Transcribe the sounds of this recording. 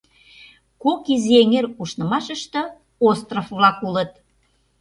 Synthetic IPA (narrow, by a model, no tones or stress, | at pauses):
kokizeŋeɾuʃnə̆mɑʃəʃt̪ɤ̆ | ost̪rofβlɑkulət̪̚